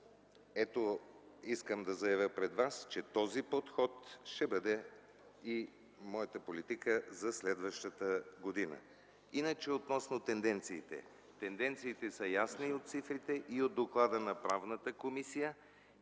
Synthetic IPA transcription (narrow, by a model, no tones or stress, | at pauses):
ɛt̪oiskəmd̪ɐzɐjɐvʲjəpɾɛd̪vast͡ʃɛt̪ɔzipot̪xɔt̪ʃt̪ɛbəd̪ɛ | i | mɔjət̪əpolit̪ikəzɐslɛd̪vəʃt̪ət̪əɡod̪inə̰ | inət͡ʃɛot̪nɔsnot̪ɛnd̪ɛnt̪siːt̪ɛ̰ | t̪ɛnd̪ɛnt̪siːt̪ɛsəjasniot̪̚t̪sifɾit̪ɛʔiod̪ːoklˠad̪ənɐpɾavnət̪əkomisijə